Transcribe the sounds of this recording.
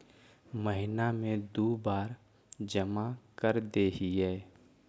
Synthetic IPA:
məɦɪnamẽd̪oːbaːɾ | d͡ʒəmakəɾd̪eːɦiɦɛː

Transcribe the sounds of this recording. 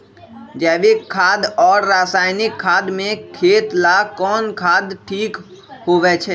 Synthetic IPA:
d͡ʒɛːʋekʰːaːd̪ɔːɾːaːsaːɪnɪkʰːaːd̪mẽkʰeːt̪lakɔːnkʰaːd̪ʈʰiːk | hoʋɛt͡ʃʰɛː

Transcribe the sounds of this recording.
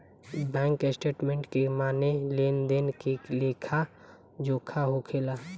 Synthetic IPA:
bɛ̃ːŋkesʈeːʈmẽɳʈkemaːneleːnd̪enkeleːkʰa | d͡ʒoːkʰaɦokʰeːla

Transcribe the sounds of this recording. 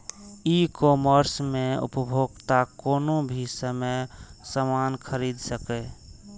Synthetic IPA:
ikoːməɾsmẽʊ̰pəbʱoːɡt̪akoːnobʱisəməjsəmaːnkʰəɾiːd̪səke

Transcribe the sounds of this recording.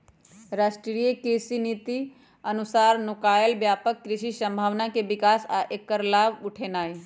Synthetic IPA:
ɾaːʃʈɾɾijəkeːsiniːt̪i | ənʊsaːɾnʊkaːjəlbjaːpəkːɾɪʃisə̃mbʱaːʋnakebɪkaːsaʔekːəɾlaːbʊʈʰenaːi

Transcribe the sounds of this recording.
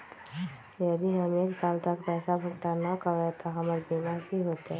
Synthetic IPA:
jəd̪iɦɐmeːksaːlt̪əkpɛːsabʱʊɡt̪anəkaɡɛt̪aɦɐməɾbimaɾbʱiɦoːt̪eɦɛ̃

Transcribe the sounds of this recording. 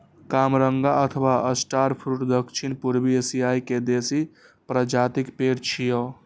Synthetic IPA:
kamɾəŋɡaət̪ʰəʋaʔəsʈaɾpʰɾuʈd̪əkt͡ʃʰinpuɾbiesiaiked̪esi | pɾəd͡ʒat̪ikpeɾt͡ʃʰijɔ

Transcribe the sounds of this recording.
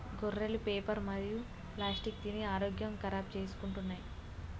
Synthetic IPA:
ɡorːelupeːpɐɾmɐd̪iju | plaːsʈik̚t̪iniaːɾoːɡjɐmkɐɾaːp̚t͡ʃeːsu̥kuɳʈunːaːji

